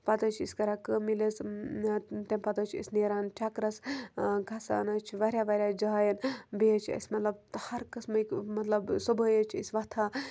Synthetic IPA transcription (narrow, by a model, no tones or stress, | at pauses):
pɐt̪ət͡ʃʰḭskɐɾakəmiles | t̪emʲpɐt̪ət͡ʃʰḭsʲneːɾaːnt͡ʃʲʰakɾɐsɡɐsa̰ːnɐt͡ʃʰʋɐɾʲjaʋɐɾʲjad͡ʒaajɐnbeət͡ʃʰɐ̰sʲmɐt̪lɐbt̪hɐɾkɐsmɐkmɐt̪lɐbsubəjət͡ʃʰisʲʋɐt̪ʰaː